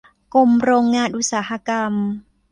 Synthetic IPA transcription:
ko˦m̩˦ɾɔ˦˧ŋa˦ɗu˦sa˨ha˦ka˦m̩˦

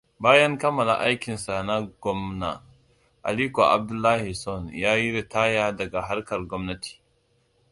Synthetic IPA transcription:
baː˦jɐ˦ŋkɐ˦mːɐ˨la̰˨ʔa˦jkʲɪ˨nsa˨na˦ɡʷɔ˦mna̰˨ | ʔa̰˨liː˦ko˨ʔa̰˨b̚dʊ˦lːaː˦hi˨sɔ˦˨njaː˦ji˦ɽe˨taː˦jaː˦dɐ˨ɡa˨ɦa˦rkɐ˨rɡʷɔ˦mnɐ˦tʰi̥ː˨

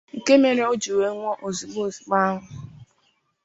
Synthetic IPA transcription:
ŋ̩˨ke˦me˨ɾe˦o˦d͡ʒu˨we˨˦ŋʷɔ˦ʔo˨zi˨bo˦˨zi˨ɡ͡ba˦ɦʊ˨

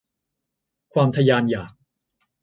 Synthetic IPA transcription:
kʰwaː˧mt̪ʰa˧jaː˧njaː˨˩k̚

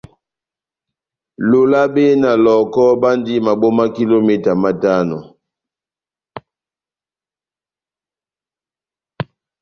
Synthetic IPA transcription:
lo˦la˦ɓe˦na˨lɔ˨kɔ˦ɓa˦ndi˦ma˨ɓo˦ma˦ki˦lo˦mɛ˦ta˨ma˦ta˦nɔ˨

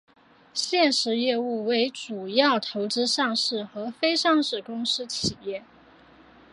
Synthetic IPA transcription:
ɕjɛ˥˩nʂɻ̩˧˥jɛ˥˧u˥˩we˧˥ɪʈ͡ʂu˨˩jɑ˥˩ʊt̪ʰo˧˥ʊʈ͡ʂɻ̩˥ʂɑ˥˧ŋʂɻ̩˥˩xɤ˧˥fe˥ɪʂɑ˥˧ŋʂɻ̩˥˩kʊ˥ŋʂɻ̩˥t͡ɕʰi˨˩jɛ˥˩

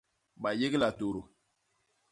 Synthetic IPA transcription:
ba˨je˦ɡe˦la˨to˨ɾo˨

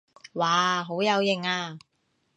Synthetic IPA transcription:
waː˨˩ɦo˨˥wjɐ˨˧wjɪ˨˩ŋaː˧

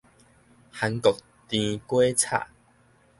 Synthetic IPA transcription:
ha˧ŋkɔ˨˩k̚ | t̪ĩ˧kwe˦t͡sʰa̰˥˩˨

